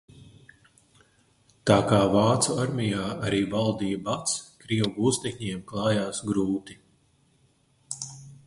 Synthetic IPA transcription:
t̪aːkaːvaːt̪suaɾmʲijaːʔaɾiːbalˠd̪iːjbat̪skɾiɛwɡuːst̪ʲɛkɲiɛmklˠɑːjaːsɡɾuːt̪i

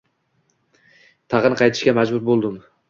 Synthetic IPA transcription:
t̪ʰɑʁnɨqʰɑjt̪ʰɪ̥ʃkʲamad͡ʒbʊɾbolˠd̪ɪm

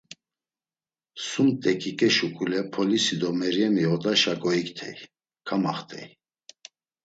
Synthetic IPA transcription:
sumt̪ʼɛkʼikʼɛʃukʼulɛpʰɔlisid̪ɔmɛɾjɛmiɔt̪ʼaʃakʼɔikʼt̪ʰɛ̰j | kʰamaχt̪ʰʼɛ̰j

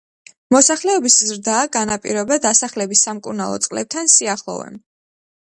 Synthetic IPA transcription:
mɔsaχlɛɔbiszɾd̪aːɡanapʼḭɾɔbad̪asaχlɛbisːamkʼuɾnalˠɔ̰t̪sʼqʼlɛ̰b̚t̪ʰansiaχlˠɔ̰vɛ̰m

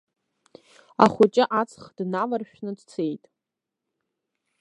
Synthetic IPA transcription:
a̰χʷʊt͡ʃʼɪʔat͡sʰʼχd̥navarʃᶣnɨdt͡sʰe̞jtʼ

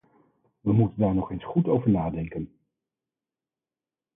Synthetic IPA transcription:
ʋəmutəndaːɹnɔχejnsχutowvəɹnaːdɛŋkən

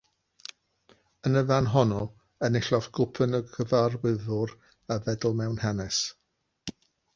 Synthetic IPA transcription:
ənəvanɦɔnɔ | ənɪɬɔfɡ̥ʊpʰənəɡəvarwɪðʊɾ | avɛdl̩ˠmɛwnhɛnɛs

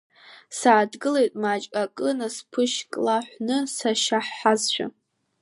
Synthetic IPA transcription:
saːdɡɨlejtʼmat͡ʃʼakʼɨnaspʰɨʃkʼlaħʷnɨsaʃaħːazʃʷᶣa̰

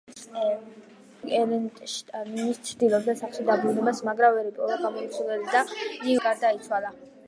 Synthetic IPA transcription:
kʼɛʃnist͡ʃʰɾd̪ilˠɔb̚d̪asaχlʃid̪abɾunɛbasmaɡɾavɛɾipʼɔɾaɡamɔit̪sʰulɛlid̪aiɡaɾd̪ait̪sʰwala

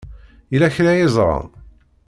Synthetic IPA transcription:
ilæçɾæjɪzˤɾˤɑ̰n

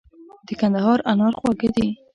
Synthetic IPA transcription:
d̪̥əkand̪aɦɑɾanɑɾχwɑɡəd̪i

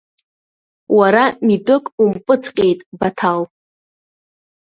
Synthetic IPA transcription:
waɾamidʼʊkʼumpʼɨt͡sʰʼqʲʼejtʼbatʰal

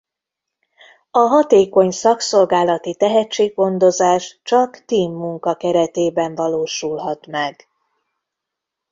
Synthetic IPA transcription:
ɒɦɒt̪eːko̞ɲsɒkso̞lɡaːlɒt̪it̪ɛɦɛt͡ʃːeːɡɡo̞nd̪o̞zaːʃt͡ʃɒkt̪iːmːuŋkɒkɛɾɛt̪eːbɛɱvɒloːʃulɦɒt̪mɛɡ̥

